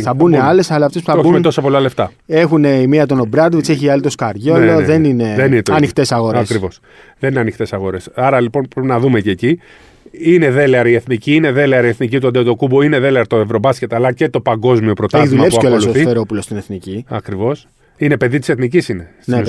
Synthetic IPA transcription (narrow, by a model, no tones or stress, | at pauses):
θɐbuneɐle̞sɐlɐɐft̪espu̥θɐobment̪osɐpolɐle̞ft̪ɐ | e̞xuneimiɐt̪o̞no̞bɾɐd̪vit͡se̞çiɐlit̪o̞skɐɾʝoloðe̞nine̞ðeninet̪ɐnixt̪e̞sɐɣo̞ɾɐskɾivo̞s | ðenineɐnixt̪e̞sɐɣo̞ɾe̞sɐɾɐlipo̞npɾepinɐðume̞ceːci | ine̞ðe̞leɐɾie̞θniciineðe̞leɐɾieθnicit̪uɐnd̪eot̪o̞kuboineðe̞leɐɾt̪oevɾo̞bɐscet̪eɐlɐce̞t̪o̞pɐŋɡo̞zmio̞pɾo̞t̪eçiðumlspuiɐckolsuoθieɾo̞pulost̪ineθniciɐ̰kɾivo̞s | ine̞pe̞ðit̪i̥seθnicisine | ne